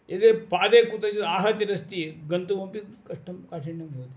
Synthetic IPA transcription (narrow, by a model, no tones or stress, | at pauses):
ed̪eːpaːd̪eːkut̪ɐd͡ʒɐd̪aːɦɐt̪jɐɾɐst̪iɡɐnt̪ɐʋɐmpikɐʂʈɐmkaːʈiɳːɐmboːd̪i